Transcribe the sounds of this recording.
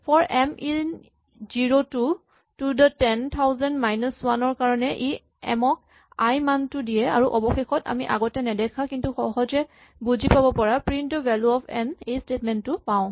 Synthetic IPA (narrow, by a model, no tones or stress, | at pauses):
pʰɔɹɛmi | ziɹotu | tudatɛnt̪ʰawzɛndmajnɔswanɔɹkaɹɔnɛʔi | ɛ̰mɔk̚ | ajmantʊdijɛa̰ɹuʔɔbɔxexɔta̰miʔa̰ɡɔtɛnɛdɛkʰakintuxɔɦɔzɛ | buzipabɔpɔɹapɹintɔbɛluɔpʰɛnejstetmɛntːʊpaʊ̃